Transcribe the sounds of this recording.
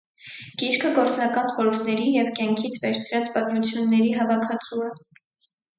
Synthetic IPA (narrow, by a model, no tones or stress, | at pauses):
ɡ̥iɾkʰəɡɔɾt͡snɑkɑnχɔɾuɾt̪ʰnɛɾijɛvkjɑŋkʰit͡sʰvɛɾt͡sʰɾɑt͡sbɑt̪ɾut͡sʰjunːɛɾiɦɑvɑkʰɑt͡suɛ